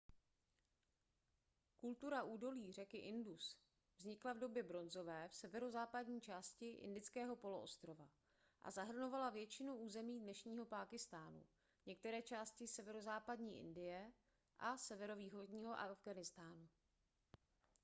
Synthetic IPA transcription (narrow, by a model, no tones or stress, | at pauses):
kult̪uɾaʔuːdo̞liːrɛkɪʔɪndus | vzɲɪklavdo̞bjɛbɾo̞nzo̞vɛːfsɛvɛɾo̞zaːpadɲiːt͡ʃaːscɪʔɪ̰ndɪt͡skɛːɦo̞po̞lo̞ʔost̪ɾo̞va | ʔa̰zaɦr̩no̞valavjɛt͡ʃɪnuuːzɛmiːdnɛʃɲiːɦo̞paːkɪst̪aːnṵ | ɲɛk̚t̪ɛɾɛːt͡ʃaːscɪsɛvɛɾo̞zaːpadɲiːʔɪ̰ndɪjɛ | ʔasɛvɛɾo̞viːxo̞dɲiːɦo̞ʔa̰vɡanɪst̪aːnu